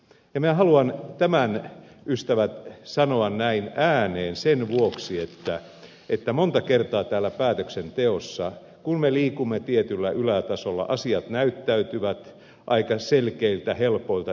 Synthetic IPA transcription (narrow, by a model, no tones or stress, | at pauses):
jɑminæhɑluɑnt̪æmæn | ʔyst̪æʋæt̪sɑnoɑnnæinæːneːnsenʋuoksiet̪ːæ | et̪ːæmont̪ɑkert̪ɑːt̪æːlːˑæpæːt̪øksent̪eosːɑ | kunmeliːkumːet̪iet̪ylːæʔylæt̪ɑsolːɑ̰ʔɑsiɑt̪næyt̪ːæyt̪yʋæt̪ | ʔɑikɑselkeilt̪æhelpoilt̪ɑ